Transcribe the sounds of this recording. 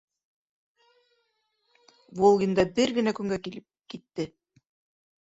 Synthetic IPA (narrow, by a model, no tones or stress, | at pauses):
volˠɡʲind̪ɑbɘɾɡɘ̆nækɵ̆ŋɡæki | kit̪ːɘ